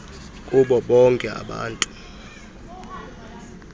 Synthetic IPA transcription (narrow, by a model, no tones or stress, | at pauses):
kʼuɓɔɓɔŋkʼɛa̰ɓa̰ːntʼu̥